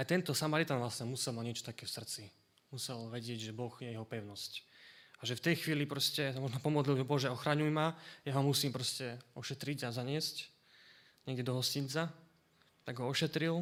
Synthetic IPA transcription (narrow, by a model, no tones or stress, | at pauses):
ajt̪ɛnt̪ɔsamaɾit̪aːnʋlasɲɛmusɛlˠmadɲɪɛt͡ʃɔ̥t̪akɛːfsr̩t͡si | musɛlʋɛɟɪɛɟʒɛbɔɣjɛjɛɦɔpɛʊnɔscaʒɛft̪ɛjxʋiːlipɾɔscɛsamɔʒnɔpɔmɔd̪lilʒɛbɔʒɛɔxɾaɲujmajaɦɔmusiːmpɾɔscɛɔʃɛt̪ɾiɟazaɲɪɛsc | ɲɛɡɟɛd̪ɔɦɔscint͡sa | t̪aɡɦɔɔʃɛt̪ɾil